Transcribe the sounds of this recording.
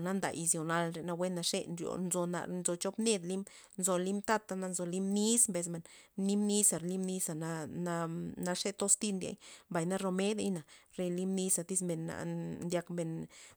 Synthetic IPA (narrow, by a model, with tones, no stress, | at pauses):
na˦nd̪a̰˨ʔi˧zjo˨na˧lɾe˨˧na˧we˦nːa˧ʂe˦nɾjo̰˨nzo˨na̰˧˨nzo˧t͡ʃo˦pne˦d̪li˦m | nzo˨li˦mt̪a˦t̪a˧na˧nzo˨li˦mni˦smbe˧s̬me˨nni˦mni˦sa˨ɾli˦mni˧sa˨na˧na˧na˧ʂe˦t̪o˦st̪i˦˧nd̪ʲḛ˧˦jmba˨jna˦ɾo˧me˦d̪e˦jna˨ɾe˧li˦mni˧sa˧t̪i˦sme˨nːa̰˨nd̪ʲa˧kme˨n